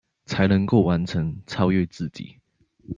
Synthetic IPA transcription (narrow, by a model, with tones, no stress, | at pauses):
t͡sʰa˧˦ɪnə˨˧˦ŋko˥˨ʊwa˧˦nt͡sʰə˧˦ŋt͡sʰɑ˥ʊɥɛ˥˧ɪt͡sɹ̩˥˨t͡ɕḭ˨˦